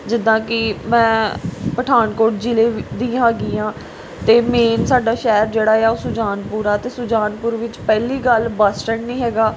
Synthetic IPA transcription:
d͡ʒɪd̪ãːkɪmɛ̃ːpəʈʰaːnkoːʈ̚d͡ʒɪleːd̪ĩːaːɡiːãː | t̪eːmeːnsaːɖaːʃɛːɾd͡ʒeːɽaːeaːosʊd͡ʒaːnpuːɾaːt̪eːsʊd͡ʒaːnpʊɾʋɪt͡ʃpɛːliːɡəlbəsʈəɳnĩːɦɛːɡaː

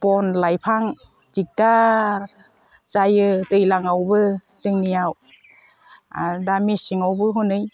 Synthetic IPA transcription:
pɔnlajpʰaŋ | d͡ʒik̚da | sajɯtɯjlaŋawbɯ | sɯŋniaw | adamisiŋawbɯɦɔnɯj

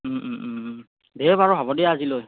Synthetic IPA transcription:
bɛbaɹɔbʱabɔdijaːziloj

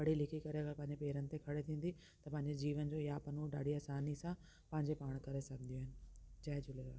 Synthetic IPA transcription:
ʋɐɽ̤ilɪkʰikɐɾeɐɡəɾpɐ̃ɦɪ̃ɲd͡ʑepeːɾənɪ̆t̪ekʰɐɽet̪ʰĩːn̆d̪i | t̪ɐpɐ̃ɦɪ̃ɲd͡ʑed͡ʑiːʋənd͡ʑoːjapɐnuɖa̰ːɖʱiɐːsaːnisã | pɐ̃ɦɪ̃ɲd͡ʑepaːɽ̃kɐɾesɐɡʱd̪ijoɦɪnɪ̆d͡ʑaːɦɪd͡ʑʊleɾa̰ː

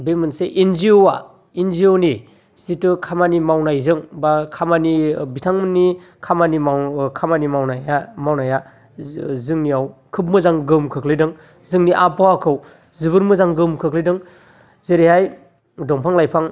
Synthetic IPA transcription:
bemɯnseʔinziowa̰ | inzioni | z̥itɯkʰamanimawnajzɯŋbakʰamanibitʰaŋmɯnːi | kʰamanikʰamanimawnajamawnaja | zɯŋniawkʰɯp̬̚mɯzaŋɡɯmkʰɯklidɯŋ | zɯŋniʔapawakʰɯw | zɯbɯɾmɯzaŋɡɯmkʰɯklidɯŋ | zeɾihaj | dɔŋpʰaŋlajpʰaŋ

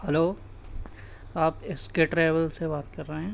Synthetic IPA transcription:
hɛloː | aːpɪskeʈɾeːʋəlsebaːt̪̚kɐɾːɐɦɛ̃ː

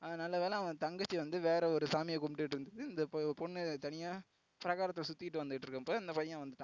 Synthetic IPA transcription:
ɐnɐlːɐʋeːlɛ̃ɐ̃t̪ɐŋɡɐt͡ʃːiʋɐnd̪ɯʋeːɾɐɔɾɯsaːmɪjɐkʊmʈːɪʈːɪɾɯnd̪ɐðɯɪnd̪ɐppɔɳːɯt̪ɐnɪjaː | pɪɾɐɣaːɾɐt̪ːlɛsʊt̪ːɪɪʈːɯʋɐnd̪ɯɪʈːɾɯkːɯmpoːɪnd̪ɐpɐjːãːʋɐnd̪ɯʈːã

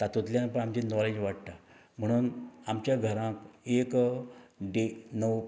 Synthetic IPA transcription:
t̪at̪ut̪ljanpəɳamt͡ɕiːnɔled͡ʑʋaʈ̚t̪a | m̤əɽ̃uːnamt͡ɕjaɡʱəɾãkek | ɖenəw

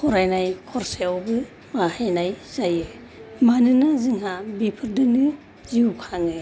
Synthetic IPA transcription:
kʰɔɾajnajkʰɔɾseawbɯ | mahajnajzajɯ | manɯnazɯŋɦabipʰɯɾdɯnɯ | ziukʰaŋɯ

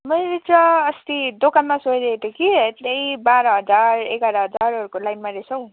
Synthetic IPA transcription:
mʌjlet͡sʌːst̪id̪okanmasoɾeet̪ekiet̪lejbaɾʌɦʌd͡zarekʌɾʌɦʌd͡zaɾɦʌɾukolajnmaɾesʰʌw̃

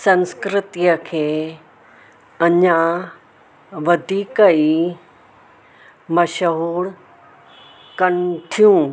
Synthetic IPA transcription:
sɐ̃nskɾɪt̪ijəkʰeː | ɐɲa | ʋɐd̪ʱiːkəi | mɐʃəɦuːɽ | kɐnt̪ʰijũː

